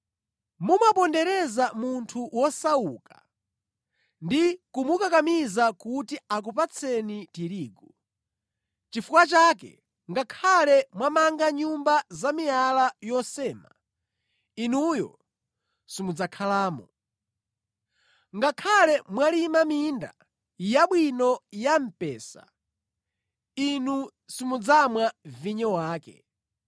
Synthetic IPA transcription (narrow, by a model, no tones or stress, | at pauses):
mumapɔndɛɾɛzamuntʰuwɔsauːkḁ | ndikumukakamizakutiak̬upat͡sʰɛnitiɾiːɡu | t͡ʃifukwat͡ʃakɛ̰ | ŋɡakʰalɛmwamaŋɡaɲumbazamialajɔsɛːma̰ | inujɔ̰ | simud͡zakʰalaːmṵ | ŋɡakʰalɛmwalimaminda̰ | jaɓwinɔjam̩pɛːsa̰ | inu | simud͡zamwaviɲɔwaːkɛ̰